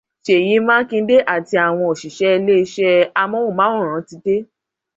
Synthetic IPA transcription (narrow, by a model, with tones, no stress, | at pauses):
ʃe˨ji˨˦mãː˦kĩ˧n̩˦de˦ʔa˦˨ti˧a˨w̃ɔ̃˧o˨ʃi˨ʃɛ˨˦˧le˦i˧ʃɛ˦a˧mɔ̃˦wo˦˨mã˨˦ũ˦˨ɾ̃ã˨˦ti˨˧de˦